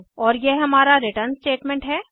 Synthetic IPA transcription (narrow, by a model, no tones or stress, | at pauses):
ɔːɾjeɦɐmaːɾaɾɪʈəɾnsʈeːʈmɛ̃ɳʈɦɛː